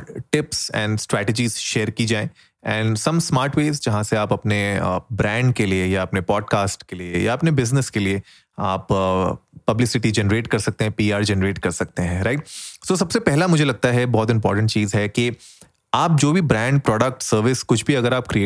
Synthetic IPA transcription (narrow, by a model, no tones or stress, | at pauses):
ʈɪpsɛ̰̃ːnɖsʈɾɛːʈəd͡ʒiːzʃeːɾkid͡ʒaːẽ | ɛ̃ːnɖsɐ̃msmaːɾʈweːzd͡ʒɐɦãseaːpɐpnebɾɛ̃ːɳɖ̚keliejaɐpnepɔːɖ̚kaːsʈkelieja̰ɐpnebɪznəskelie | aːpː | ɐblɪsɪʈid͡ʒɛnəɾeːʈkɐɾsɐk̚t̪ẽɦɛ̃piːaːɾd͡ʒɛnəɾeːʈkɐɾsɐk̚t̪eɦɛ̃ɾaɪʈ̚soːs̬ɐbsepɛɦlamʊd͡ʒʱelɐɡ̚t̪aɦɛbɔːt̪ɪ̃mpɔ̰ːɾʈə̃ɳʈ̚t͡ʃiːzɦɛki | aːp̚d͡ʒoːbʱibɾɛ̃ːɳɖ̚pɾɔːɖək̚ʈsəɾʋɪskʊt͡ʃʰbʱiɐɡəɾaːp̚kɾiː